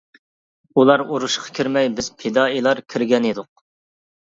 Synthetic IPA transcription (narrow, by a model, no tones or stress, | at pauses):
ulˠɑɾuɾuʃqʰɑ̥kʲʰiɾmɛjbɪz̥pʰed̪ɑːilˠɑɾkʲʰiɾɡʲɛnid̪ʊq̚